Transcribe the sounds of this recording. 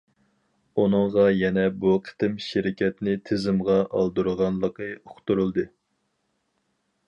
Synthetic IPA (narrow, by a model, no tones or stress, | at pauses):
unɨŋʁɑjɛnɛbuqʰə̥t̪ɪmʃɪɾɪkʲɛt̪nɪt̪ʰɪzɪmʁɑʔɑ̰lˠd̪uɾʁɑnlˠəqəoχt̪uɾulˠd̪ɨ